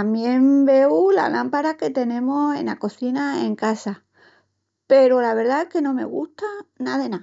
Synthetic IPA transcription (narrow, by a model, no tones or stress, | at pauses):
amje̞mbe̞wla̰lampaɾake̞t̪e̞nẽ̞mo̞se̞̰nako̞θinaeŋkasa | pe̞ɾolaβ̞e̞ɾðaeske̞nõ̞me̞̰ɣ̞ṵst̪anaðe̞na